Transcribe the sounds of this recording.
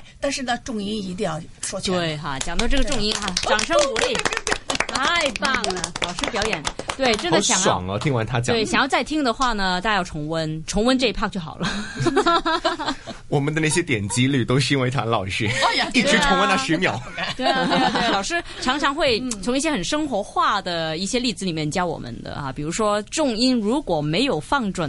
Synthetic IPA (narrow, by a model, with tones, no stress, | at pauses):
t̪a˥˧nʂɻ̩˥˩˧na˥˧ʈ͡ʂʊ˥˧ŋi˥ŋi˧˥t̪̬i˥˧jɑ˥˩ʊʂwɔ˥t͡ɕʰt̪we˥˩ɪa˧˩t͡ɕjŋt̪ɑ˥˧ʈ͡ʂɤ˥˩ɡə˧ʈ͡ʂʊ˥˧ŋi˥na˧ʈ͡ʂwa˨˩ŋʂɑ˥nu˨˥li˥˩ma˧˩˧ɪpa˥˩ŋ˩lɑ˨˩ʊʂɻ̩˥p̬jɑ˧˥ʊjɛ˨˩˦nt̪we˥˩ɪʈ͡ʂə˥n˧ə˥ɕjɑ˨˩ŋwa̰˨˩ŋlə˦t̪ʰi˥ŋwa˧˥nt̪ʰa˥t͡ɕjwe˥˩ɪɕjŋjɑ˥˧ʊt͡sa˥˩ɪt̪ʰi˥ŋd̪ə˨xwa˥˩nə˩t̪a˥˧jɑ˥˩ʊʈ͡ʂʰʊ˧˥ŋwə˥nʈ͡ʂʰʊ˧˥ŋwə˥nʈ͡ʂɤ˥˧i˥pʰa˥˧kt͡ɕo˥˩xɑ˨˩ʊlə˦ | wɔ˨˩mə˦nd̪ə˧a˥˩ɕjɛ˥t̪jɛ˨˩nt͡ɕi˥ly˥˩t̪o˥ʊɕi˥nwe˧˥ɪt̪ʰa̰˧˥nlɑ˥˧˩ʊ˧ʂɻ̩˥˩i˥˧˩t͡ɕɻ̩˥˩ʈ͡ʂʰʊ˧˥ŋwə˥na˥˩ʂɻ̩˧˥mjɑ̰˨˩˦ʊt̪we˥ɪ˨˧˥ɑ˨˩ʊʂɻ̩˥ʈ͡ʂʰɑ˧˥ŋʈ͡ʂʰɑ˧˥ŋxwe˥˩ɪt͡sʰʊ˧˥ŋi˥˩ɕjɛ˥xə˨˩nʂɤ˥ŋxwɔ˧˥xwa˥˩d̪ə˩i˥˩ɕjɛ˥li˥˩t͡sɹ̩˧li˨˩mjɛ˥˩nt͡ɕjɑ˥ʊwɔ̰˨˩mʔə̰˨˦nd̪ə̰˩ɐ̰˨˩pi˨˩ɻu˧˥ʂwɔ˥ʈ͡ʂʊ˥˧ŋi˥nɻu˧˥kwɔ˨˩me˧˥ɪjo˨˩ʊfɑ˥˧ŋʈ͡ʂwə˨˩